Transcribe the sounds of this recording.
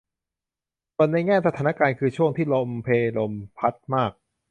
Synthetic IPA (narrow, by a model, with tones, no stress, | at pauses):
su˨˩ənːa˧jŋɛː˥˩sa˧t̪ʰaː˩˦na˥kaː˧nkʰɯː˧t͡ɕʰu˥˩əŋt̪ʰiː˥˩lo˧mpʰeː˧lo˧mpʰa˦˥t̪̚maː˥˩k̚